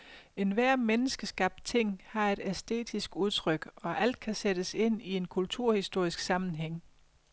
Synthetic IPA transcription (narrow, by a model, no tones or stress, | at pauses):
e̝nʋæɐ̰menəsɡ̥əsɡ̥ɑ̈b̥̚d̥̚t͡sʰe̝ŋ̰hɑ̈e̝ɾ̥æsd̥e̝̰ːd̥isɡ̥uð̞ˠt͡sʰʁœɡ̥ɒ̽ʔæl̰d̥̚kʰæseɾ̥əse̝n̰ie̝nkʰult͡sʰuɐ̰hisd̥o̝ɐ̰isɡ̥sɑ̈mn̩ɦeŋ̰